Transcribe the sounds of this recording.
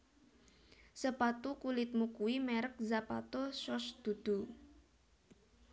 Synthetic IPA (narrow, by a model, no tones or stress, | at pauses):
səpat̪ukulɪt̪̚mukuwimɛɾək̚zapa̰t̪oʃɔsd̪̥ṳd̪̥ṳ